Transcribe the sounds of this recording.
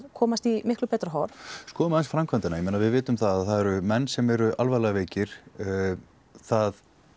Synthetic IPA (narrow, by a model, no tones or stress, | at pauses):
ðkʰɔːmast̪imɪhklʏpɛːt̪ɾɦɔwɾ̥skɔːðmaɛnsfɾamkʰvant̪ɪnajmɛnːavɪðvɪːt̪ʏmθaðaθaðɛɾʏmɛnːsɛmɛɾʏʔalvalɛɣaveːcɪɾ̥ | θað